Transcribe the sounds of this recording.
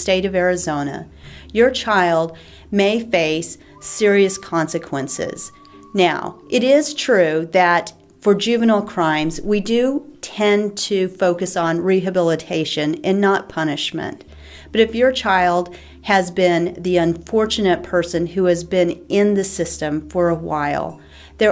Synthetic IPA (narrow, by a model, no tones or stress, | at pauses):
steɪɾʌvɛɹɨzõʊ̃nɨ̰ | jə˞t͡ʃʰaɪlˠd̚ | meɪfeɪsː | ɪɹiɨskʰɑ̃nsɨkʰwɛ̃nsɪ̰z̥ | naʊʔɨɾɪz̥tʰɹ̥ʉðɨt | fə˞d͡ʒʉvɨnl̩ˠkʰɹ̥ãɪ̃mzwidɨtʰɛ̃ntʰɨfoʊkɨsn̩ɹiɦɨbɪlˠətʰeɪʃɨ̃nɨ̃nːət̚pʰʌñɨʃmɨ̰̃n | b̥ʌɾɨfjə˞t͡ʃʰaɪlˠd̥̚ | ɨzbɪ̃nðiə̃nfɔɹt͡ʃɨnɨt̚pʰɜ˞sɨ̃nʉɨzbɪ̃nɪ̃nðɨsɪstɨ̃ɱfə˞əwaɪlˠ | ðə˞